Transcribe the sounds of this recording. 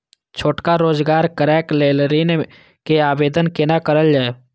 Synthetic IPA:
t͡ʃʰoːʈkaɾoːzɡaːɾkəɾɛːkleːlɾiːn | keaːbeːd̪ənkenakəɾəld͡ʒaːe

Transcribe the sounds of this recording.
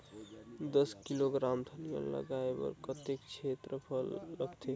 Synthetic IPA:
d̪əskiloɡɾamd̪ʱənijə̰lə̰ɡaebə̰ɾkət̪ekt͡ʃʰet̪ɾəpʰəlːəɡt̪ʰe

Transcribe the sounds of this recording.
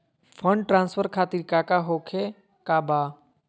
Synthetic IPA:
fʰə̃ɳɖʈɾãːnsfəɾkʰaːt̪iɾkaːkaɦoːkʰe | kaːbaː

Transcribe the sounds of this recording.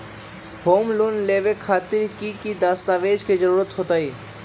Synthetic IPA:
bʱomlunlebekʰat̪ːiɾkikid̪ast̪abed͡ʑked͡ʑɔɾuɾat̪hot̪aj

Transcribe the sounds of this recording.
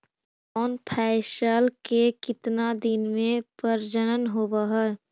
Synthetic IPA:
ɔːnpʰaɪsəlkekɪt̪nad̪ɪnmẽpəɾd͡ʒənənɦobəɦɛ

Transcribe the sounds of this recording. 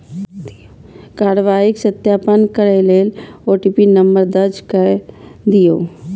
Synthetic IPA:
kaːɾʋaːɪksət̪jaːpənkəɾeleːloːʈiːpinəmbəɾd̪ɐd͡ʒkəd̪ijoː

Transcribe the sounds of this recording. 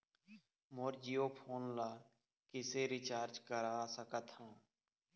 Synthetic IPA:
moːɾd͡ʒijoːpʰoːnlaː | kɪseɾɪt͡ʃaːɾt͡ʃkəɾaːsəkət̪hãː

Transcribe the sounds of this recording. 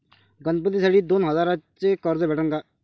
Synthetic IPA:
ɡənd̪̚pət̪iːsəɽiːd̪oːnɦəzaːɾət͡ʃekɔɾzebɛːʈə̃ŋɡaː

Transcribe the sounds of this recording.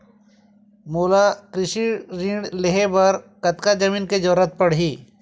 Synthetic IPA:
moːlakɾɪʃiɾĩɳɖleɦebɐɾkɐt̪kad͡ʒɐmĩːnked͡ʒoːɾət̪̚pɐɽɦiː

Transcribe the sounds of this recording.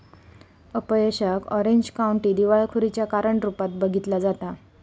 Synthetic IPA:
əpəjeɕəkɔɾeɲd͡ʑkauɳʈiːd̪iʋaɭkʰuɾit͡ɕjakaɾəɳʈɾupat̪̚bəɡʱit̪lad͡zat̪a

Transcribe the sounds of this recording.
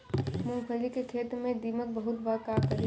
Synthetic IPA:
mʊ̃ŋpʰəlikekʰeːt̪ɾmẽd̪iːmək̚bɐɦʊt̪bakaːkɐɾi

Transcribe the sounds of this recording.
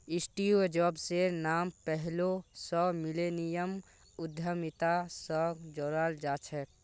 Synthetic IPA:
ɪsʈied͡ʒɔbsenaːmpɛɦlosɔmilenijəm | ʊd̪ʱjəmit̪asəɡd͡ʒoːɾaːld͡ʒaːt͡ʃʰɛk

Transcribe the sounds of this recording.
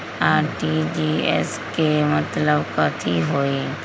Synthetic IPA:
aːɾʈid͡ʒiːɛ̰skemət̪ləbkɐt̪ʰiɦoːiː

